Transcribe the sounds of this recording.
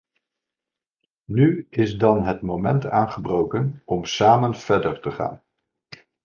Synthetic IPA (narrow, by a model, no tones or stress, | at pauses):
nyɪzdɑnɦətmowmɛntaːnχəbrowkənɔmsaːmənv̥ɛɹdəɹtəχa̰ːn